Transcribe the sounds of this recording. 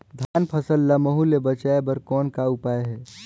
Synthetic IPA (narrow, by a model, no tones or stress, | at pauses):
d̪ʱaːnpʰəsəlːaməɦulebət͡ʃaːebəɾkɔːnkaʊpaːeɦɛː